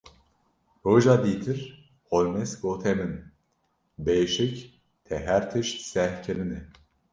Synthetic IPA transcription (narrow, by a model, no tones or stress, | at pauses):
hoʒad̪it̪ʰiɾ | holʲmɛsɡot̪ʰɛmin | beʃic | t̪ʰɛɦæɾt̪ʰiʃsɛhcʰelini